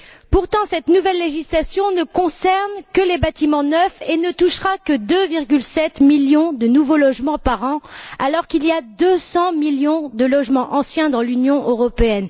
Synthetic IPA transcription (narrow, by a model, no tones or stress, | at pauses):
puʁt̪ɑ̃sɛt̪nuvɛlːeʒislasjɔ̃nəkɔ̃sɛʁnkəlebat̪imɑ̃nœfenət̪uʃʁakəd̪øviʁɡʲylsɛt̪miljɔ̃d̪ənuvolɔʒmɑ̃paʁɑ̃alɔʁkiliad̪øsɑ̃miljɔ̃d̪əlɔʒmɑ̃ʔɑ̃sjɛ̃d̪ɑ̃lynjɔ̃ʔøʁɔpeɛn